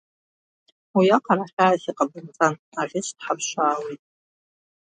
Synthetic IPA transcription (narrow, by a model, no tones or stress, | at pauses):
wijaqʰʼaɾaχʲaːziqʼabɨrt͡sʼan | aʁʲɪʃʰtʰħapʰʃʷaːwejtʼ